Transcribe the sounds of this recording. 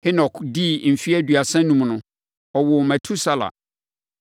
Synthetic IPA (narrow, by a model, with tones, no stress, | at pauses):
hɪ˦nɔ˨kdi˦˨m̩˨fi˦æ˦dɥa˨sɛ̃˦nũ˦m˨nʊ̃˦ | ɔ˨wɔ˨mæ̃˨tʰu˦sa˦la̰˨